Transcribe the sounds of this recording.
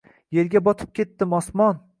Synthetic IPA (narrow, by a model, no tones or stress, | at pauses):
je̞ɾɡʲabɒt̪ʰɪ̥p̚kʲʰe̞t̪ːɪmɒsmɒn